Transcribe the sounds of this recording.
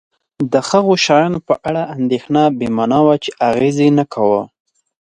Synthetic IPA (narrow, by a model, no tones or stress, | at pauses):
d̪əxəɣoʃɑjɑnopəʔaɽaʔand̪exnɑbemɑnɑwat͡ʃeʔaɣezenakʰawə